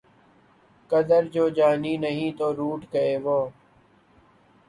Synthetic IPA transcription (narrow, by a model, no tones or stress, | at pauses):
kəd̪əɾd͡ʒoːd͡ʒaːniːnəɦĩːt̪oːɾuːʈkəeːʋoː